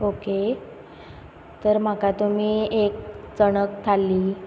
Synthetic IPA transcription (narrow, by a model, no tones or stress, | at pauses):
oke | t̪əɾm̤akat̪um̤iːek̚t͡sənəkt̪ʰalːiː